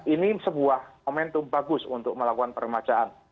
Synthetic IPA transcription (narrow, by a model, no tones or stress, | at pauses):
ʔinisəbuahmomɛnt̪umbaɡʊsunt̪ʊk̚məlakukanpəɾəmat͡ʃaʔan